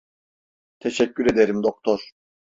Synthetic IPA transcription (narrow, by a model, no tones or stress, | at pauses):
t̪ʰeʃɛcːyɾe̞d̪eɾimd̪ok̚t̪ʰɔɾ̥